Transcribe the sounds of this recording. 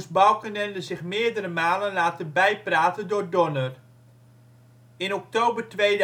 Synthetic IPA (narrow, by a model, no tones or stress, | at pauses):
sbɑlˠkənɛndəzɪχmɪːɹdəɾəmaːlənlaːtəbɛjpraːtəndʊːɹdɔnər | ɪnɔk̚towbəɹtʋejd